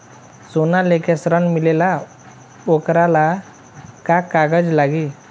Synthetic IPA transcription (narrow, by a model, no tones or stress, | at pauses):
sonalekʰesɾəɳmilela | okɾala | kakːaɡəd͡zlaɡi